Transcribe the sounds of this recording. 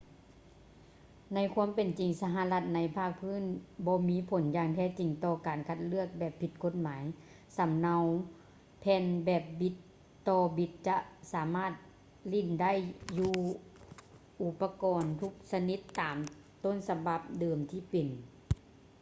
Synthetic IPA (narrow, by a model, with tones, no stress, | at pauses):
na˧˥jkʰuː˧˥əmpe˨nt͡ɕi˨˩ŋsa˧ɦa˧la˧t̪̚na˧˥jpʰaː˥˩k̚pʰɯː˧˥˨nbɔː˧˦miː˧˥˨pʰo˨˦njaː˧ŋt̪ʰɛː˧˩t͡ɕi˨˩ŋt̪ɔː˧kaː˨˩nkʰa˧t̪̚lɯ˥˩ək̚bɛː˨˩pʰːi˧t̪̚kʰo˧˥t̪̚maː˨˦j | sa˨˦mna˧w | pʰɛː˧nbɛː˧˩p̚bi˧˦t̪ː | ɔː˧bi˧˦t̪̚t͡ɕa˧saː˨˩˦maː˥˩t̪̚ | li˧˩˨nda˥˨jjːuː˧ | ʔu˧pːa˧kɔː˨nt̪ʰu˧˦˥k̚sa˧ni˧˥t̪ːaː˨m | t̪o˧˥˨nsa˧ba˧˦p̚dɤː˨˩mt̪ʰiː˧˩˨pe˨n